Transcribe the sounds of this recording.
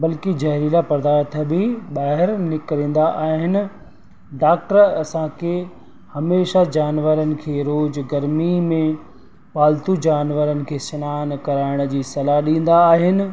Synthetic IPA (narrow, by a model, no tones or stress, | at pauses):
bɐlkid͡ʑɐɦɾilapɐɾd̪aːɾt̪ʰbɪɓaːɦɪɾnɪkɾĩːn̆d̪aʔaːɦɪnɪ̆ | ɖaːk̚ʈəɾɐsãkʰe | hɐmeːʃad͡ʑaːnʋəɾənɪ̆kʰeːɾoːd͡ʑɡɐɾmimẽ | ʋaːlt̪ud͡ʑaːnʋəɾənɪ̆kʰeːsɐnaːnkɐɾaːɪɽ̃̆d͡ʑiːsɐlaɗĩːn̆d̪aːɦɪnɪ̆